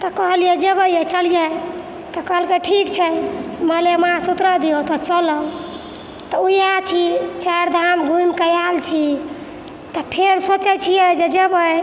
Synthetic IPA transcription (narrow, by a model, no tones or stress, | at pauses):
t̪ɔkəɦəlijɛd͡ʒebəjɛt͡ʃəljɛ | t̪ɔkəɦəlkeʈʰikt͡ʃʰɛməlemãsut̪ɾəd̪iot̪ɔt͡ʃələl | t̪ɔujat͡ʃʰit͡ʃaɾd̪ʱamɡʱumkəjalt͡ʃʰi | t̪ɔpʰeɾsot͡ʃɛt͡ʃʰijɛd͡ʒed͡ʒebəj